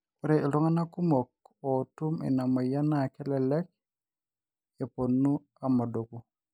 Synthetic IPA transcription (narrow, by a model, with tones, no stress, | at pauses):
uɾeʔi˨lɔ˦ŋa˦na˦ku˦mok̚otu˦mɛ̰˨na˨ma˨ja˦nakɛ˦lɛlɛ˦k̚ | e˨ponːu | a˨ma˨do˨ɡu